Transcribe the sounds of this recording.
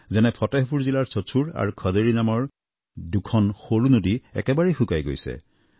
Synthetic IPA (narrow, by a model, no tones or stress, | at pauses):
zɛnɛpʰɔtɛɦpuɹzilaɹsotʰuɹa̰ɹukʰɔzeɹinamɔɹ | dukʰɔnxoɹunodiɛ̰kɛbaɹexukajɡo̰jsɛ̰